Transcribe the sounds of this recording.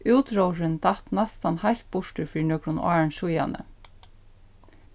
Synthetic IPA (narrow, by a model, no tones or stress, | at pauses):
uwt̪ɾowɾɪnt̪at̪nast̪anhajlt̪̚b̥ʊʂtʏɾfiːɻnœkɾʊnʔa̰ːɹnʃuja̰nə̰